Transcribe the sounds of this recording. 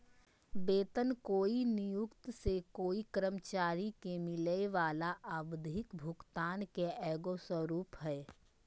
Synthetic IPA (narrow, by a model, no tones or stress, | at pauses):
beːt̪ənkoːinɪjʊkt̪sekoːikəɾəmt͡ʃaːɾikemɪleʋaːlaʔabd̪ʱɪkbʱʊkt̪aːnkeɛːɡoswəɾuːpɦɛː